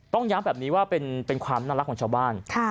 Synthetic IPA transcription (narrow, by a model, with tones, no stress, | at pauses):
t̪ɔ˥˩ŋjaː˦˥mbɛː˨˩p̚niː˦˥waː˥˩pe˧npe˧nkʰwaː˧mnaː˥˩la˦˥kʰːɔː˩˦ŋt͡ɕʰaː˧wbaː˥˩nkʰa˥˩